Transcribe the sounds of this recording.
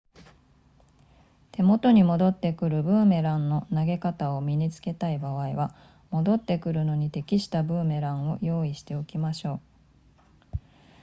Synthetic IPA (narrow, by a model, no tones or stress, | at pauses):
t̪e̞mo̞t̪o̞ɲ̟imo̞d̪o̞t̪ːe̞kɯ̟ɾɯ̟bɯ̟̃ɰme̞ɾãnːo̞naɡe̞kat̪ao̞mʲiɲ̟it͡sɨ̥ke̞t̪aibaβ̞aiβa | mo̞d̪o̞t̪ːe̞kɯ̟ɾɯ̟no̞ɲ̟it̪e̞kʲiɕi̥t̪abɯ̟̃ːme̞ɾãɰ̃o̞jo̞ːiɕi̥t̪e̞okʲimaɕo̞ː